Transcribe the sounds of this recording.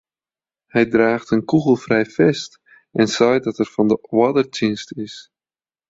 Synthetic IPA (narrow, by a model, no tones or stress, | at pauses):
hɛjdraːχtənkuɣəlˠfrɛjfɛst | ʔɛnsœjdɑtɛrfɑndəwɑdərtɪnstɪs